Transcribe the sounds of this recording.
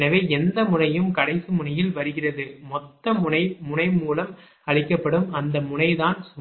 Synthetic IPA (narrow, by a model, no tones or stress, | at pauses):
nɐʋeːɛnd̪ɐmʊnɐjɯmkɐɽɐɪsɯmʊɳɐjɪlʋɐɾɯɣɪrɐðɯmɔt̪ːɐmʊɐɪmʊnɐɪmuːlɐm | ɐɻɪkːɐpːɐɽɯmɐnd̪ɐmʊɳɐɪðaːnsʊ